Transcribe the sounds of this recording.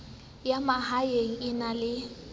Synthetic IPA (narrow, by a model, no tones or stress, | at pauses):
jamahajeŋ̩ɪnalɪ